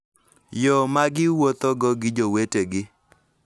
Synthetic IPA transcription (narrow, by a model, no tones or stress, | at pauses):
jɔmaɡɪwot̪oɡɔɡɪd͡ʒoweteɡɪ